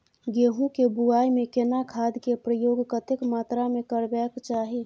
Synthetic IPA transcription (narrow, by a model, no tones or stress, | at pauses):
ɡeːɦũkebuaːimẽkenakʰaːd̪kepɾəjoːɡkət̪ɪkmaːt̪ɾamẽkəɾbɛːkt͡ʃaːɦi